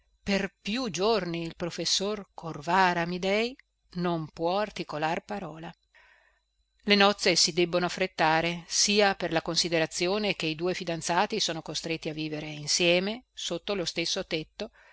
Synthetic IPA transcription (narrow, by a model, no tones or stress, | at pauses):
perpjud͡ʒorniːlpɾofesːorkʰorvaːɾamid̪ɛj | nompwɔart̪ikolarpaɾɔːla | lenɔt̪sːesid̪ɛbːonoafːɾet̪ːaːɾesiːaperlakonsid̪eɾat̪sːjoːnekeid̪uːefid̪ant̪saːt̪isoːnokost̪ɾet̪ːiavːiːveɾeinsjɛːmesot̪ːolost̪esːot̪et̪ːo